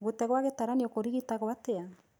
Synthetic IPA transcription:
ɡut̪eɣoaɣet̪aɾaniokoɾiɣit̪aɣoat̪ea

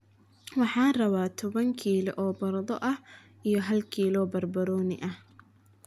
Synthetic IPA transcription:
wɑħɑːnrɐβaːt̪ʰɔβɐŋkʰiːlʔɔːbɐɾɐðɔʔɐh | ijɔɦɐlkʰiːlɔːbɐrbɐɾɔːnɪʔɐh

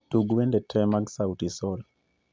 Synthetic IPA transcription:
tuɡwɛndetʰɛmaɡsautisɔl

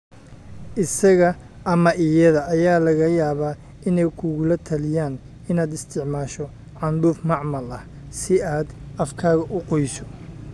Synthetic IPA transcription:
ʔɪsɐɣɐ | ʔɐmɐʔɪjɐðɐːjaːlɐɣɐjaːβaː | ɪnɛjkʰʊɣʊlɐt̪ʰɐlɪjaːn | ɪnaːd̪ɪst̪ʰɪʕmaːʃɔ | ʕɑnd̪uːfmɑʕmɐlɐh | sɪaːd̪ɐfkʰaːɣɐʔʊqɔjsɔ̥

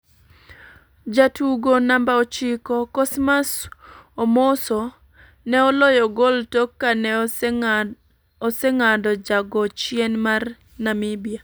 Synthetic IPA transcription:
d͡ʒatuɡonambaɔt͡ʃɪkɔkɔsmasomɔsɔ | nɛɔlɔjɔɡɔltokːanɛ | ɔseŋadɔd͡ʒaɡɔt͡ʃjenmar | namibija

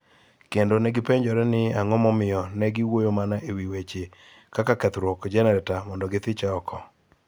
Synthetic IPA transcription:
kendonɛɡɪpeɲd͡ʒɔɾɛnɪaŋɔmɔmɪjɔnɛɡɪwojomanaʔewiwet͡ʃe | kakakɛt̪ɾwɔkd͡ʒɛnɛɾɛtamɔndɔɡɪt̪ɪt͡ʃaɔkʰɔ

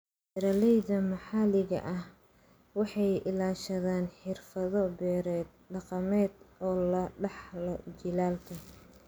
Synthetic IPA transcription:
ɪɾɐlɛjðɐmɑħɑlɪɣɐ̰ʔɐh | wɑħɑjʔɪlaːʃɐðaːnħɪrfɐðɔbɛːɾɛːd̪̚ | ɖɑqɑmɛːd̪ʔɔːlɐɖɑħlɔt͡ʃɪlaːlkʰɐ

